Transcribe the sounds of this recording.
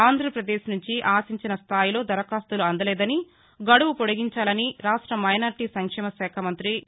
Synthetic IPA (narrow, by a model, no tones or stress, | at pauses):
aːnd̪ʱɾɐpɾɐd̪eːʃnuɲt͡ʃiʔaːsiɲt͡ʃinɐst̪ʰaːjilo̞ːd̪ɐɾɐkaːst̪uluɐnd̪ɐlɛːd̪ɐni | ɡɐɽuʋupoɽiɡiɲt͡ʃaːlɐniɾaːʂʈɾɐmɐjnaːɾʈiːsɐŋkʂɛːmɐsɛːkʰɐmɐnt̪ɾi